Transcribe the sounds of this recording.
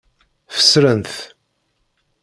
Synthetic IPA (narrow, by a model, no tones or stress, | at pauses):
fə̥sɾənθ